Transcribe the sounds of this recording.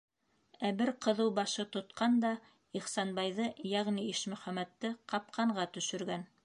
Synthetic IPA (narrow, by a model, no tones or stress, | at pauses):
æbɘɾqɤ̆ðɤwbɑʃɤt̪ŏt̪qɑnd̪ɑ | iχsɑnbɑjðɤjæʁniiʃmɵ̆χæmæt̪ːɘqɑp̚qʰɑɴɢɑt̪ɵ̆ʃɵ̆ɾɡæn